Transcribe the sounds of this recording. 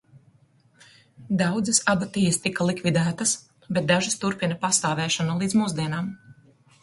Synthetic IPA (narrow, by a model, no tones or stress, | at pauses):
d̪awd̪zɨsabat̪iːjɐst̪ikalˠikvʲid̪æːt̪ɐs | bet̪̚d̪aʒist̪uɾpinɐpast̪aːvɛːʃɔnalˠiːd̪zmuːzd̪iɛnaːm